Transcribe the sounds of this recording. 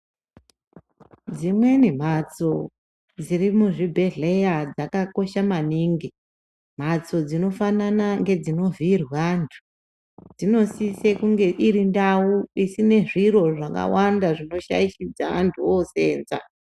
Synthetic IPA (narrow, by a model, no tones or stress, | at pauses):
d͡zimwe̞nim̤at͡so̞ | d͡zirimuʐibʱe̞ɮe̞jad͡zakako̞ʃamaniːŋɡi | m̤at͡so̞d͡zino̞fananaŋɡe̞d͡zino̞virwantʰu̥ | d͡zino̞sisekuŋɡe̞ʔiɾindawuisine̞ʐiro̞ʐaka̰wandaʐino̞ʃa̰iʃid͡zaa̰ntʰuose̞ːnza̰